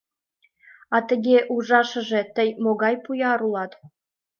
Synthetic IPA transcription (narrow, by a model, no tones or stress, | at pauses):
ɑt̪ə̆ɡʲeʔuʐɑʃɤ̆ʒĕt̪ə̆jmoɡɑjpujɑɾulˠɑt̪